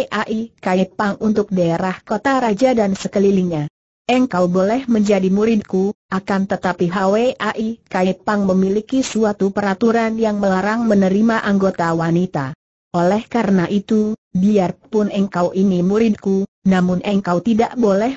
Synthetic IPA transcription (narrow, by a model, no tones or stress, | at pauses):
ʔaʔikaɛpaŋunt̪ʊk̚daeɾahkot̪aɾad͡ʒadansəkəliliɲa | əŋkawbolɛhməɲd͡ʒadimuɾɪd̪̚kuʔakant̪ət̪apiɦaweʔaʔikaipaŋməmilikisuat̪upəɾat̪uɾanjaŋməlaɾaŋmənəɾimaʔaŋɡot̪awanit̪a̰ | ʔolɛhkaɾənaʔit̪udiarpʊnəŋkawʔinimuɾɪd̪̚ku | namʊnəŋkawt̪idaʔbolɛh